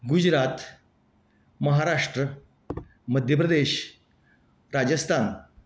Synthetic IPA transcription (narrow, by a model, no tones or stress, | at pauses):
ɡud͡ʑɾat̪ | məɦaɾaʂʈɾə | məd̪ʱjəp̬ɾəd̪eɕ | ɾad͡ʑəst̪ʰan